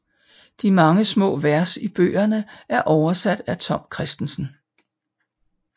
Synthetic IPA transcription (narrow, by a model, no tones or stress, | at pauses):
d̥imɑ̈ŋəsmɔ̰̽ːʋæɐsib̥ø̰ːɐnəʔæɐʔɒʊɐsæd̥æt͡sʰɒ̽m̰kʰʁɛsd̥n̩sn̩